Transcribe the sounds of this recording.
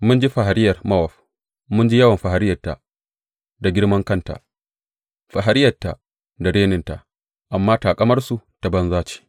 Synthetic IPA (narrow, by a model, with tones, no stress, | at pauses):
mʊ˦nd͡ʒi˦ɸa˨ɦa˨ɾɪ˦jːɐ˨rmɐ˦wɐ˨ɸ | mʊ˦nd͡ʒi˦jɐ˦wɐ˨mɸa˨ɦa˨ɾɪ˦jɐ˨tːa̰˨ | da˨ɡʲɪ˦ɽmɐ˦ŋkɐ˦˨nta̰˨ʔ | ɸa˨ɦa˨ɾɪ˦jɐ˨tːa̰˨ | da˨ɽeː˦nɪ˦nta˨ʔ | ʔa˨mːaː˦taː˨kʼɐ˦mɐ˦rsu˨ta˨bɐ˦nzaː˦t͡ʃi̥ː˨